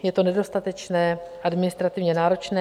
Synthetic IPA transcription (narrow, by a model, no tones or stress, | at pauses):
jɛt̪o̞nɛdo̞st̪at̪ɛt͡ʃnɛːʔadmɪnɪst̪ɾat̪ɪvɲɛnaːɾo̞t͡ʃnɛː